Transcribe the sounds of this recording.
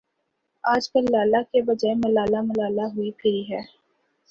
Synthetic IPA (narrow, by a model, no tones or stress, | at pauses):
aːd͡ʒkəlːaːlakebɐd͡ʒaːemɐlaːlamɐlaːlaɦʊipʰɪiɦɛː